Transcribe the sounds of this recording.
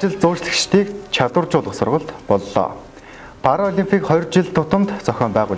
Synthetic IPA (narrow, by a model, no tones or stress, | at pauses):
t͡ɕɪ̆ɮt͡sʊːt͡ɕɮɘ̆xt͡ɕt̪ʰiːkt͡ɕʰat̪wə̆rt͡ɕʊːɮʁə̆χsʊ̰rʁə̆ɮt̪pɔɮːɔ̰ː | pʰaɾɔɔɮʲimpʲʰiːkχɔj̆rt͡ɕɪɮt̪ʰːʊt̪ə̆mt̪t͡sœxʲɔːmpæːʁʊ̰ː